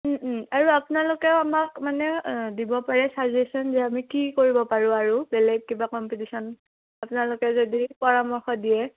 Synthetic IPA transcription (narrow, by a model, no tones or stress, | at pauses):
aɹuapʊnalʊkɛamakmanɛdibɔpaɹɛsazesɔnzɛamikikoɹibɔpaɹʊ̃aɹubɛlɛɡ̚kibakɔmpitisɔn | apʊnalʊkɛzodipɔɹamɔɹxɔdijɛ